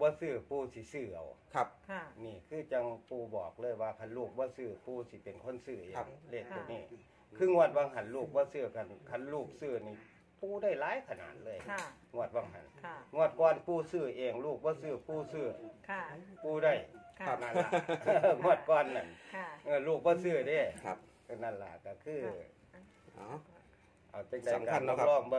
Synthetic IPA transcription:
bɔː˧˦˨sɯː˧˩puː˧si˧˦sɯː˧˩ʔa̰˨˩wk̚ʰniː˧˩kʰɯː˧˩t͡ɕa˧ŋpuː˧˩bɔ̰ː˨˩k̚lɤː˧˥˨jwaː˧˩kʰa˧˥˨nluː˧˩k̚bɔː˧˦sɯː˧˩puː˧si˧˦pe˨nkʰo˧˥˨nsɯː˧˩ʔeː˨˧le˧˩t̪̚ːu˧˩niː˧˩ | kʰɯː˧ŋu˧˩ət̪̚wa˧˨ŋɦa˧˩nluː˧˩k̚bɔː˧˦sɯː˧˩kʰa˧˩nkʰa˧˩˨nluː˧˩k̚sɯː˧˩niː˧˩ | puː˧da˧˩jlaː˨˦˥jkʰa˧˨na̰ː˨˩t̪̚lɤː˧˥˨jŋu˧˩ət̪̚wa˧ŋɦa̰˨˩˦nŋu˧˩ət̪̚kɔː˧npʰuː˧˩sɯ˧˩ʔeː˨˧˩ŋluː˧˩k̚bɔː˧˩sɯː˧˩pʰuː˧˩sɯ˧˩˧ | puː˧˩da˧˩jna˧˩˧ŋu˧˩ət̪̚kɔː˧nːa̰˧˩nʔɤː˧˩luː˧˩k̚bɔː˧˨sɯː˧˩deː˧˩˧ | na˧˩nla̰˧˩ka˧˩kʰɯː˧˩˨ | ʔa˨˩wt͡ɕa˧˩ŋda˧˨˩kaː˧˨ɔ˧lɔː˧˩ŋbɔ˧

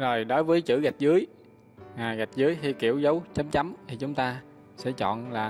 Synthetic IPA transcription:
zo˨˩jɗo˨˦jvəː˨˦jt͡ɕɨ̰˧˥ɣa˨˩k̚zɨ˨˦əj | ʔaː˨˩ɣa˨˩jk̚zɨ˨˦jɦi˧jkḭ˧˩˨əwzə˨˦wt͡ɕə˨˦mt͡ɕa˨˦mt̪ʰi˨˩t͡ɕʊ˨˦ŋ͡mt̪aː˧ | sɛ̰˧˥t͡ɕɔ̰˧˨nlaː˨˩

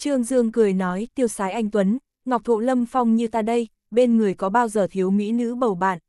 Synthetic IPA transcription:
t͡ɕɨ˧əŋzɨ˧əŋkɨ˨˩əjnɔ˨˦jt̪i˧əwsaː˨˦jʔa˧jŋ̟t̪wə˨˦n | ŋa˨˩k͡p̚t̪ʰṵ˧˨lə˧mfa˧wŋ͡mɲɨ˧t̪aː˧˩ɗə˧j | ɓe˧nŋɨ˨˩əjkɔ˨˦ɓaː˧wzəː˨˩t̪ʰi˨˦əwmḭ˧˥nɨ̰˧˥ɓə˨˩wɓa̰ː˧˨n

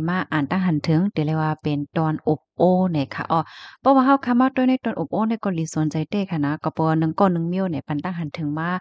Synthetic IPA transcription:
maː˧˥˩ʔaː˨˩nt̪aː˧ŋɦa˧˨nt̪ʰɯ˨˦ŋt̪e˨˦˨lɛ˧˩waː˧pe˨nt̪ɔː˧˩nʔo˧˩p̚ʔoː˧˩na˧˩jkʰa̰˧ʔɔː˧˩pʰɔː˧waː˧ɦa˧wkʰa˧˨maː˧˨t̪o˧˨jna˧˥˨jt̪ɔː˧˨nʔo˧˩p̚ʔoː˧na˧˩jkɔː˧˨liː˨˦su˨˦ənt͡ɕa˨˦jt̪e˧˩kʰa˧˩na˧kɔː˧˩pʰɔ˧waː˧nɯ˧˦ŋkɔː˧˨nɯ˧ŋmi˧ə˨wna˨˩jpa˨nt̪a˧˨ŋɦa˨nt̪ʰɯ˨˦ŋmaː˧˥˨

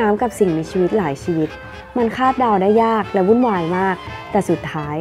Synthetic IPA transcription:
aː˦˥mka˨˩p̚si˨˩ŋmiː˧sʰiː˧wi˦˥t̪̚laː˩˦jsiː˧wi˦˥t̪̚ | ma˧nkʰaː˥˩p̪̚daː˧wdaː˥˩jːaː˥˩k̚lɛ˧˥wu˧˥˨nwaː˧˩jmaː˥˩k̚t̪ɛː˨˩su˨˩t̪ʰːaː˦˥j

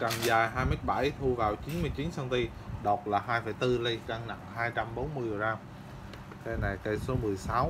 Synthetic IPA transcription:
kaː˨˩ŋzaː˨˩jɦaː˧jmə˨˦˥jt̚ɓa˧˩jt̪ʰu˧vaː˨˩wt͡ɕi˨˦nmɨ˧əjt͡ɕi˨˦nsə˧nt̪i˧ | ɗɔ˨˩t̚laː˨˩ɦaː˧jfə˧˩jt̪ɨ˧li˧jkaː˧ŋna̰˧˨ŋhaː˧jt͡ɕa˧mɓo˨˦nmɨ˧əjɗo˨˩ɗaː˧m | ka˨˧jna˨˩jkə˧jso˨˦mɨ˨˩əjsa˨˦w

